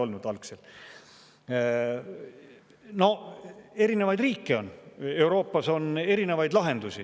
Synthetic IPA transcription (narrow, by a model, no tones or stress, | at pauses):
o̞lnud̪̥ɑlksel | no̞e̞ɾine̞vɑjd̪riːkːio̞ne̞wɾo̞ːpːˑɑso̞ne̞ɾine̞vɑjd̪lɑɦe̞nd̪̥usʲi